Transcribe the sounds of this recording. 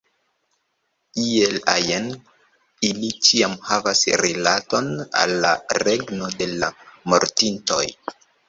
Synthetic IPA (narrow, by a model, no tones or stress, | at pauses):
ielajen | ilit͡ʃiamhavasɾilato̞na̰lːaɾe̞ɡno̞de̞lamo̞̰ɾtinto̞̰j